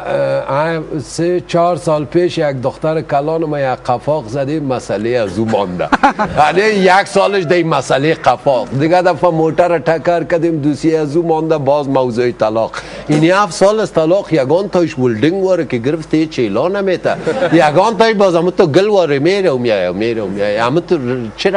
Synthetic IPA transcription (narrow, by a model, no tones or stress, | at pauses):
aset͡ʃɑɾsɑːlpeʃak̚d̪ʊxt̪aɾkalɑnəmajaqafɑːqzad̪emasaleazumɔ̰nd̪a̰anejaksɑləʃd̪ajmasaleqafɔqd̪əɡad̪afamoʈaɾaʈakaɾkad̪emd̪usjeazumɔnd̪abɑzmawzoit̪alɑːqiniafsɑlast̪alɑːqjaɡɑnt̪ɑʃwʊlɖɪŋɡwɔɾəkeɡəɾft̪eet͡ʃelɑnamet̪a̰jaɡɑnt̪ɑjʃbɑzamut̪oɡəlwɔɾəmeɾawmjaja̰wmeɾawmjajamət̪ət͡ʃɪɾ